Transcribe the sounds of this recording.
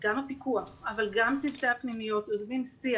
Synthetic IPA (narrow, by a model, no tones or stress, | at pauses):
ɡamapikuaχavalɡamt͡sidteapnimijo̞t̪ozvinsia